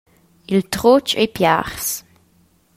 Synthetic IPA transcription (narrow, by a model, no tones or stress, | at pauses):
ilt̪ʁot͡ʃḛjpja̰ʁs